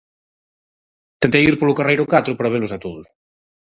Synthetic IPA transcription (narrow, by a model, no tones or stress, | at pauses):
t̪ent̪ejiɾpolukarejɾokat̪ɾopɾaβ̞elusat̪oðus